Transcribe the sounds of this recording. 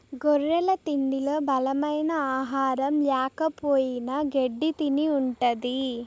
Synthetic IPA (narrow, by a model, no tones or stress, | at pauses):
ɡoɾːɛlɐt̪ind̪ilo̞ːbɐlɐmɐjnɐaːɦaːɾɐmlɛːkɐpoːjinɐɡeɖːit̪iniuɳʈɐd̪i